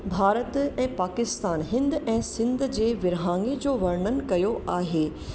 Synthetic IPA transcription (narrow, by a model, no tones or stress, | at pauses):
bʱaːɾət̪ɛ̃ːpaːkɪst̪aːnɦɪ̃nd̪ɛ̃ːsɪ̃nd̪ʱd͡ʑeːʋɪɾɦaːŋɡed͡ʑoːʋɐɾɳənɪ̆kɐjoʔaːɦeː